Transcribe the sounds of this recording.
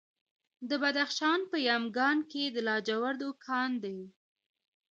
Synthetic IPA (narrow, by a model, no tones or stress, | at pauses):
d̪əbad̪axʃɑnpəjamɡɑnked̪əlɑd͡ʒawaɾd̪okʰɑnd̪aj